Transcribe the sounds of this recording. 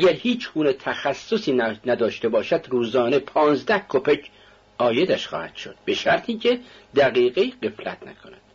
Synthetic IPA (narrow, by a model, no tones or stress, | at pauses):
ʔæɟæɾhiːt͡ʃʰɡuːnet̪ʰæxæsːosiːnnæd̪ɒːʃt̪e̞bɒːʃæd̪ruːzɒːnepʰɒːnzd̪æhkʰopʰecʰ | ʔɒːjed̪æʃxɒ̰ːhæ̰d̪̥ʃo̞d̪̥be̞ʃæɾt̪ʰiːcʰed̪̥æɣiːɣeiːɢe̞flæ̰t̪ʰnæ̰kʰonæd̪̥